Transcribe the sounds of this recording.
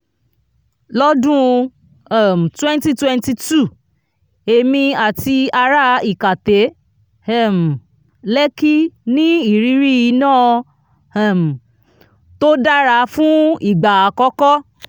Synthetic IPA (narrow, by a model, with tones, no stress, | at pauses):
lɔ˦dũ˦˧˨ | m̩˨twɛ̃˦nti˦twɛ̃˦nti˧tu˦˨ | e˧mĩ˧a˨ti˧a˧ɾa˦i˦˨ka˨te˨˦ | ɛ˦˨m̩˨ | lɛ˦ki˦nĩ˦i˨ɾi˨˦ɾi˦i˧nãː˦˨ | m̩˨ | to˦da˦ɾa˧˦fũ˦i˦˨ɡ͡ba˨a˨kɔ˦kɔ˦